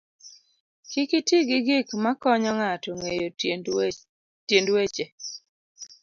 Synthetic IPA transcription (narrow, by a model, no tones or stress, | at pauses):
kɪkitiɡɪɡɪkmakɔɲɔŋatɔŋejo | tjendwet͡ʃe